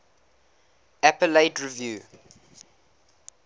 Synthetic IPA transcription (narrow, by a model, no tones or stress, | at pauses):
æpəleɪtɹivjuː